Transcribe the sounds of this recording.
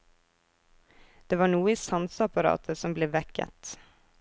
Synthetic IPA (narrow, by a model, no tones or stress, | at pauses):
d̪̥eːʋɑːɳuːəiːsɑnsɑpɑɾɑ̰ːt̪ʰəsɔmbleːʋɛkə̰t̪